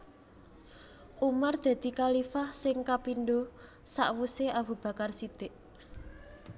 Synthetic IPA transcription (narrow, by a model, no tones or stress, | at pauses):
umard̪̥ä̤d̪̥i̤kalifahsɪŋkapinɖo | sa̰ʔwuseabṳb̥ä̤karsid̪̥eʔ